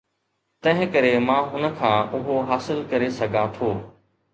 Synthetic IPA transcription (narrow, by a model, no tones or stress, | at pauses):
t̪ɐ̃ɦɪ̃kəɾemãːʊnə̆kʰãːʔʊɦoɦaːsɪlkɐɾesɐɡʱãt̪ʰoː